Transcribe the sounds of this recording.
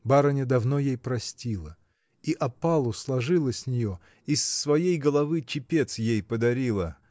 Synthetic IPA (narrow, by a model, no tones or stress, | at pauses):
baɾənʲɪd̪ɐvno̞jejpɾɐsʲtʲilˠə | iʔɐpalˠʊslˠɐʐɨlˠəsʲsʲnʲɪjo | isːvɐjejɡəlˠɐvɨt͡ɕɪpʲe̞t̪sjejpəd̪ɐɾʲilˠə